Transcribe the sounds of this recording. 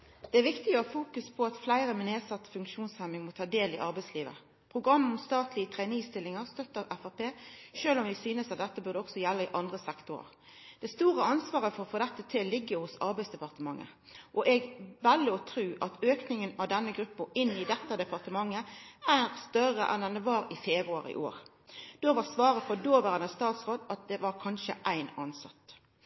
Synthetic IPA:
d̪ɛæʁʋɪkt̪ɪɡəɔfuːkʉspʰɔɑt̪flæɪʁəmɛneːd̪sɑt̪ːfʉŋkʃuːnshæmɪŋmɔt̪ʰɑːd̪eːlɪʔɑʁbæɪsliːʋə̰ | pʰʁʊɡʁɑmːɔmst̪ɑːt̪lɪət̪ʰʁæɪnist̪ɪlːɪŋəʁst̪œt̪ːəʁɛfɑpeːʃøːlɔmʋɪsyːnəsɑt̪̚d̪ɛt̪ːəbʉʁd̪əɔɡsɔjɛlːəɪʔɑnd̪ʁəsɛkt̪ʊɾə̰ | d̪̥ɛst̪uːʁəɑnsʋɑːʁəfɔʁɔfoːd̪ɛt̪ːət̪ʰɪllɪɡːəhʊsɑ̰ɾbæɪsd̪ɛpɑʁt̪əmɑŋːə̰ | ʔɔʔɛɡʋælːəɔt̪ʰɾʉːʔɑt̪øːknɪŋənɑʋd̪ɛnːəɡɾʉpːəɪnːɪd̪ɛt̪ːəd̪ɛpɑʁt̪əmɑŋːəæːʁst̪œrə̰ʔɛ̰nd̪ɛnd̪ɛʋɑːɾɪfeːbɾʉɑɾɪ̰ʔo̰ːʁ | d̪̥oːʋɑsʋɑːɾəfɔd̪oːʋæːɾəd̪ɛst̪ɑːt̪sʁoːd̪ɑt̪̚d̪ɛʋɑɾkʰɑnʃə̰ʔæɪnɑnsɑ̰t̪ː

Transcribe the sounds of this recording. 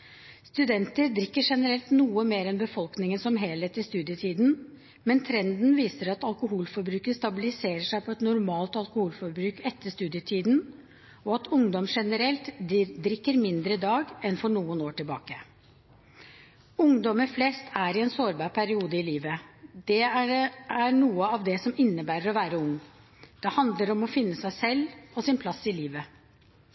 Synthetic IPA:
st̪ʉd̪ɛnt̪əɾd̪ɾɪkːəʂɛnəɾɛlt̪nuːəmeːɾɛnbəfɔlknɪŋənsɔmɦeːlheːt̪ɪst̪ʉːd̪jət̪ʰiːd̪n | mɛnt̪ʰɾɛnd̪nʋiːsəɾɑt̪ɑlkʊɦuːlfɔɾbɾʉːkəst̪ɑbɪlɪseːɾəʂæɪpʰɔɛt̪nʊɾmɑːlt̪ɑlkʊhuːlfɔɾbɾʉːkɛt̪ːəst̪ʉːd̪ɪət̪ʰiːd̪n | ɔɑt̪ʰʊŋd̪ɔmʂɛnəɾɛlt̪d̪ɾɪkːəɾmɪnd̪ɾəd̪ɑːɡɛnfɔɳuːənoːʈɪlbɑ̰ːkə | ʊŋd̪ɔməɾflɛst̪ʰæɾɪɛnsoːɾbɑːɾpʰæɾɪuːd̪əɪliːʋəd̪̥ɛææɾɳuːəɑʋd̪ɛsɔmɪnːəbæːɾəɾɔʋæːɾəʊŋː | d̪̥ɛhɑnd̪ləɾɔmɔfɪnːəsæɪsɛlːɔsɪnpʰlɑsːɪliːʋə

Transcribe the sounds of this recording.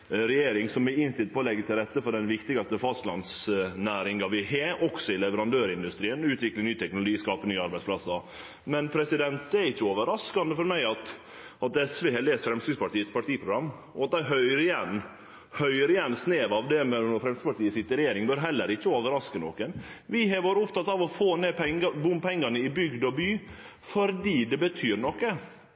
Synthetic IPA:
ɾɛjeːɾɪŋsɔmæɪnst̪ɪlt̪̚pʰɔlɛɡːət̪ʰɪlɾɛt̪ːəfɔɖɛnʋɪkt̪ɪɡɑst̪əfɑst̪lɑnsnæːɾɪŋɡɑʋɪɦeʔɔksɔɪlɛʋəɾɑnd̪øːɾɪnd̪ʉst̪ɾiːənʉːt̪ʋɪklənyːt̪ʰɛknʊlʊɡiːskɑːpənyːɑɾbæɪspʰlɑsːɑ | mɛnpʰɾɛsɪd̪ɛnt̪̚d̪ɛæɾɪçːəoːʋəɾɑskɑnd̪əfɔɾmæɪɑt̪ | ʔɑt̪ɛsʋehɛleːst̪fɾɛmsyːɡspɑʈiːət̪spʰɑʈʰiːpʰɾʊɡɾɑmː | ɔɑt̪̚d̪æɪɦœʏəɾɪjɛnː | hœʏəɾɪjɛnːsneːʋɑʋd̪ɛmɛnɔɾfɾɛmsyspɑʈiːəsɪt̪ːəɾɛjeːɾɪŋbœɾɦɛlːəɾɪçːəoːʋəɾɑskəno̰kənʋɪɦɑʋoːɾəʊpt̪ɑt̪ːɑʋɔfoːneːpʰɛŋəbʊmːpʰɛŋːɑnəɪbʏɡd̪ɔbyː | fɔɾd̪iːd̪ɛbət̪ʰyːɾɳɔkːə

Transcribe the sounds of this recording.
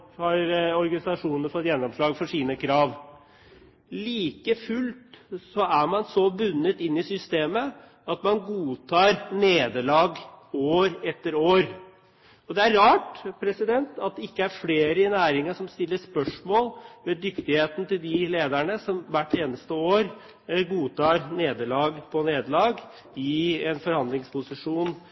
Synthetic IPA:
hɑɾɔɾɡɑnɪsɑʂuːnənəfɔt̪ːjɛnːɔmʂɭɑːɡfɔʂiːnəkʰɾɑːʋ | liːkəfʉlt̪sɔæɾmɑnsɔbʉnːət̪ɪnːɪsʏst̪eːmə | ɑt̪mɑnɡuːt̪ʰɑːɾneːd̪əɭɑːɡoːɾɛt̪ːəɾoːɾ | ɔd̪ɛæɾːɑːʈpʰɾɛsɪd̪ɛnt̪ɑt̪̚d̪ɛɪkːəæɾfleːɾəɪnæːɾɪŋɑʂɔmst̪ɪlːəʂpœʂmoːlʋɛd̪ʏkt̪ɪheːt̪nət̪ɪld̪ɪleːd̪æɳəsɔmʋæʈːeːnəst̪əoːɾ | ɡuːt̪ʰɑːɾneːd̪əɭɑːɡpʰɔneːd̪əlɑːɡ | ɪɛnfɔɾhɑnd̪lɪŋspʊsɪʂuːn

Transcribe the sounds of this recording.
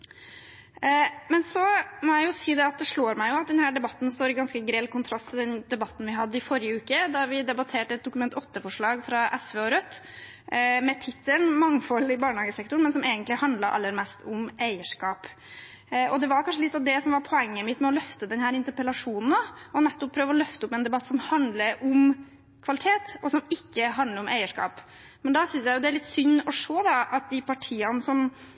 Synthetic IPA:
mɛnsɔmɔjæɪjʊsiːd̪ɛɑt̪̚d̪ɛʂɭoːɾmæɪjʊɑt̪̚d̪ɛnhæːɖɛbɑt̪ːn̩st̪oːɾɪɡɑnskəɡɾeːlkʰʊnt̪ʰɾɑst̪ʰːɪld̪ɛnd̪ɛbɑt̪ːn̩ʋɪɦɑd̪ːəɪfɔɾɪjəʉːkəd̪ɑɾʋɪd̪ɛbɑt̪ʰeːʈəɛt̪̚d̪ʊkʉmɛnt̪ɔt̪ːəfɔʂɭɑːɡfɾɑʔɛsʋeːɔɾœt̪ː | mɛt̪ʰɪt̪ʰːəlnmɑŋːfɔlːɪbɑːɳəhɑːɡəsɛk̚t̪ʊɳmɛnsɔmeːɡənt̪lɪhɑnd̪ləɾʔɑ̰lːəɾmɛst̪ʰʊmæɪəʂkɑːp | ʔɔd̪ɛʋɑɾkʰɑnʂ̬əlɪt̪ːɑʋd̪ɛsɔmʋɑɾpʰɔɛŋːəmɪt̪mɛɔlœft̪əd̪ɛnhæːɾɪnt̪əɾpəlɑʂuːnn̩d̪ɑɔnɛt̪ːɔpʰɾøːʋəɾɔlœft̪əʊpːɛnd̪ɛbɑt̪ːsɔmhɑnd̪ləɾʊm | kʰʋɑlɪt̪ʰeːt̪ɔsɔmɪkːəɦɑnd̪əɾʊmʔæɪəʂkɑ̰ːp | mɛnd̪ɑsʏnsjæɪjʊd̪ɛæɾɭɪt̪ːsʏnːɔʂoːd̪ɑʔɑt̪̚d̪ɪpʰɑʈʰiːɑnəsɔm

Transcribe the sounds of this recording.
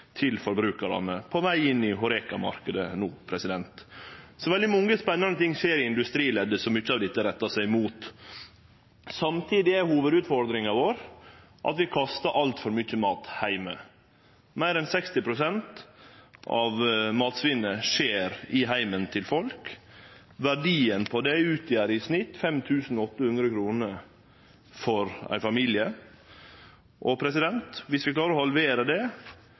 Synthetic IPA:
t̪ʰɪlfɔɾbɾʉːkɑɾɑ̰nəpʰɔʋæɪɪnːɪɦʊɾɛkɑmɑ̰ɾkəd̪ənuːpʰɾɛsɪd̪ɛnt̪sɔʋɛld̪ɪmɔŋːəspɛnːɑnət̪ʰɪŋːʂeːɾɪɪnd̪ʉst̪ɾiːlɛd̪ːəsɔmʏçːəɑːʋd̪ɪt̪ːəɾɛt̪ːɑsæɪmuːt̪ | sɑmt̪ʰiːd̪ɪæɾhuːʋəd̪ʉːt̪fɔɾd̪ɾɪŋɑʋoːɾ | ʔɑ̰t̪ʋɪkʰɑst̪ɑʔɑlt̪fɔɾmʏçəmɑːt̪hæɪmə | mæɪɾɛnsɛkst̪ɪpɾʊsɛnt̪ | ʔɑʋmɑːt̪sʋɪnəʂeːɾɪɦæɪmənt̪ʰɪlfɔlk | ʋæɖiːənpʰɔd̪ɛʉːt̪ʰjæːɾɪsnɪt̪fɛmt̪ʰʉːsn̩ɔɔt̪ːəhʉnd̪ɾəkʰɾuːnə | fɔɾæ̰ɪfɑmiːlɪə | ʔɔpʰɾɛsɪd̪ɛnt̪ʋɪsʋɪklɑːɾəɾɔhɑlʋeːɾəd̪ɛ

